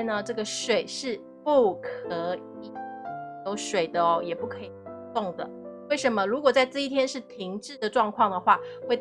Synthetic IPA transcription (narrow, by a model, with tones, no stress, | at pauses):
nə˨ʈ͡ʂɤ˥˩ɡə˩ʂwe˨˩ɪʂɻ̩˥˧ | pu˥˧kʰɤ˧˥˦ | i˨˩jo˧˥ʊʂwe˨˩ɪd̪ə˦ɔ˦jɛ˨˩pu˥˩kʰɤ˧˥i˨˩˧t̪o˥˩ŋd̪ə̰˩we˥˩ɪʂə˧˥nmə˧ɻu˧˥kwɔ˨˩t͡sa˥˧ɪʈ͡ʂɤ˥˧i˥˩t̪ʰjɛ˥nʂɻ̩˥˩t̪ʰi˧˥ŋʈ͡ʂɻ̩˥˩d̪ə˨ʈ͡ʂwɑ˥˧ŋkʰwɑ˥˩ŋd̪ə˩xwa˥˩we˥˧ɪ